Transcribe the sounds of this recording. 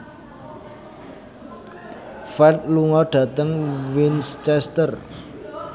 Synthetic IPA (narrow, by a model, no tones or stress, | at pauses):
fɛrt̪̚luŋɔɖ̥ä̤t̪əŋwinst͡ʃɛst̪ər